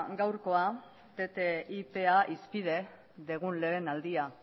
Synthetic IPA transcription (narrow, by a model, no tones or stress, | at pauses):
ɡawɾko̞a | t̪e̞t̪e̞ipe̞aʔispið̞e̞ | ðeɣ̞unle̞ːnald̪ia